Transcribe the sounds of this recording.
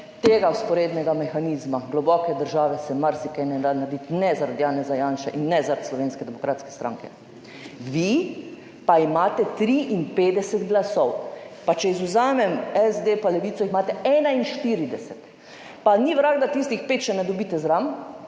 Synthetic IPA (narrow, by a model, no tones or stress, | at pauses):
t̪eːɡawspɔɾeːd̪nɛɡamɛxaniːzmaɡlɔbɔkɛd̪əɾʒaːʋɛsɛmaɾsikɛnɛd̪aːnaɾd̪it̪nɛzaɾad̪jaːnɛzajaːnʃaʔinːɛzaɾat̪slɔʋeːnskɛd̪ɛmɔkɾaːt̪skɛ̥st̪ɾa̰ːŋkɛ | ʋi | paimaːt̪ɛt̪ɾiʔinpeːd̪ɛsɛt̪ɡlasɔwpat͡ʃɛizuzaːmɛmɛzd̪epalɛʋiːt̪sɔixmaːt̪ɛɛːnainʃt̪iɾid̪ɛsɛt̪ | paniʋɾaːɡd̪at̪ist̪ixpeːt̪̚t͡ʃɛnɛd̪ɔbiːt̪ɛzɾam